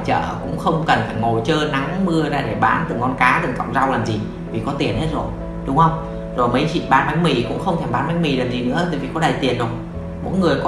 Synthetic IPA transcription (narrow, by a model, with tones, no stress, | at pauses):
t͡ɕə̰ː˧˨˩kʊ̰˧˥ŋ͡mxə˧wŋ͡mkə˨˩nfaː˧˩jŋo˨˩t͡ɕəː˧na˨˦ŋmɨ˧əza̰ː˧˩ɗe˧˩ɓaː˨˦nt̪ɨ˨˩ŋɔ˧nkaː˨˦tɨ˨˩ŋka̰˧˨wŋ͡mza˧wlaː˨˩mzi˨˩ | vi˨˩kɔ˨˦t̪i˨˩ənhe˦˥t̚zo˨˩j | ɗʊ˨˦ŋ͡mhə˧wŋ͡m | zo˨˩jmə˨˦jt͡ɕḭ˧˨ɓaː˨˦nɓa˨˦jŋ̟mi˨˩kʊ̰˧˥ŋ͡mxə˧wŋ͡mt̪ʰɛ˧˩mɓaː˨˦nɓa˨˦j̟mi˨˩laː˨˩mzi˨˩nɨ̰˧˥ət̪ə̰ː˧˨vi˨˩kɔ˨˦ɗa˨˩jt̪i˨˩ənzo˧˩j | mo̰˧˥jŋɨ˨˩əjk